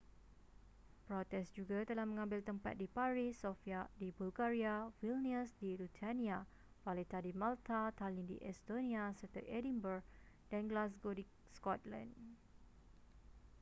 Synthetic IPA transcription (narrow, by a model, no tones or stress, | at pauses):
pɾɔt̪ɛsd͡ʒuɡat̪əlahmə̃ŋãmbɪlt̪əmpa̰t̪̚dipaɹisːofiadibulɡaɹiawilniəsdilut̪ʰanĩa | falet̪adimãlt̪at̪alĩndḭʔɛst̪onĩasərt̪ə̰ʔɛdĩmbərɡ | dãnɡlas̬ɡodi | skɔt̪lã̰n